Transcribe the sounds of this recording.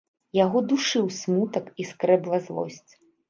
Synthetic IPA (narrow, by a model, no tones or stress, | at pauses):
jaɣɔd̪uʂɨwsʲmut̪ɐkiskɾɛblˠɐzlˠɔ̰sʲt͡sʲ